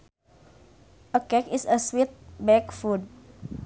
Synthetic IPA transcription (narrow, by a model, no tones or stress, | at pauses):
ʔəkɛkisəswit̪̚bɛkfud̚